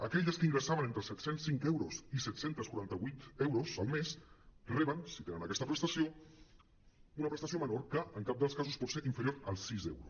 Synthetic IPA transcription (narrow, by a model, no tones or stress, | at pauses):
əkɛʎəskəiŋɡɾəsaβənent̪ɾəsɛt̪sensːiŋkɛwɾozisɛt̪sent̪əskuɾant̪əβujt̪ewɾozəlˠmesrɛβənsit̪enənəkɛst̪əpɾəst̪əsio | unəpɾəst̪as̬iomənoɾkəəŋkap̚d̪əlˠskazuspɔt̪seʔiɱfəɾjoɾəlˠsizḛwɾus